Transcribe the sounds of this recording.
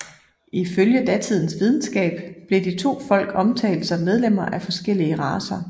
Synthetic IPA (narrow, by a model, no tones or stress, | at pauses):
ʔiføljəd̥æt͡sʰið̞̰ˠn̩sʋið̞ˠn̩sɡ̥ɛ̰ːb̥b̥le̝d̥it͡sʰo̝̰ːfɒ̽l̰ɡ̥ɒ̽mt͡sʰɛ̰ɪld̥sɒ̽mːeð̞ˠlem̰ɐʔæfɒ̽sɡ̥el̰iəʁɑ̈ːsɐ